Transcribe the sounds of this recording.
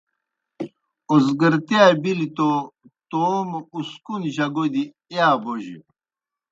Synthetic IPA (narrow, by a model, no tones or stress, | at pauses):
ozɡəɾt̪iabilit̪ot̪oːmuskunʑɐɡod̪i | eaːboʑḭ